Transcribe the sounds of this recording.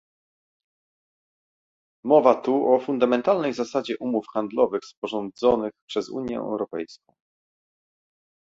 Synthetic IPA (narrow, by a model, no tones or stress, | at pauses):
mɔvat̪uʔɔfund̪amɛnt̪alnɛjzasad͡ʑɛʔumufxand̪lɔvɘxspɔʐɔnd̪zɔnɘxpʂɛzṵɲjɛ̰ɛ̰wɾɔpɛjskɔ̰̃w̃